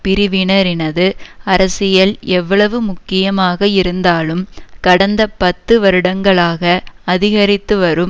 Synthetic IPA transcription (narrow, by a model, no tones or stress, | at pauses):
pɪɾɪʋɪɳɐɾɪnɐðɯɐɾɐsɪjɐlɛʋːɐɭɐʋɯmʊkːɪjɐmaːɣɐɪɾɯnd̪aːlɯmkɐɽɐnd̪ɐpɐt̪ːɯʋɐɾɯɽɐŋɡɐɭaːɣɐɐðɪɣɐɾɪt̪ːɯʋɐɾɯm